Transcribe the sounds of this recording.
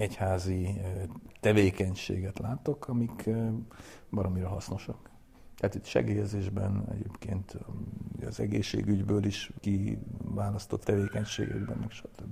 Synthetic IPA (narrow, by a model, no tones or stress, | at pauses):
ɛchaːzi | t̪ɛveːkɛɲʃḛːɡɛt̪laːt̪o̞kʰɒmikʰ | bɒɾomiɾɛɦɒsno̞ʃɒk | t̪ɛhat̪it̪ʃɛ̰ɡeːjɛzeːʒbɛnɛ̰ɟeːpkeːnt̪uɒzɛɡḛːʃːḛːɡyɟbøːliʃkivaːlɒst̪o̞t̪ːɛveːkɛɲʃḛːɡɛ̰ɡbɛ̰mmɛkʃɒt̪øbːi